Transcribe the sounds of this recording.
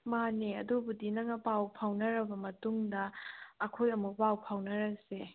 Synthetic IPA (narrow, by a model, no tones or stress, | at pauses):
maneɐdubudinɐŋɐpawpʰawnɐɾɐbɐmɐtuŋdɐːkʰojɐmuk̚pawpʰawnɐɾɐse